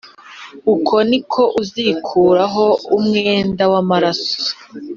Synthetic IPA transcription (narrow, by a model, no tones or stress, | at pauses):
ukʰo̞nikʰo̞ʔuzikʰuːɾaɦo̞umŋeːndawamaɾaso̥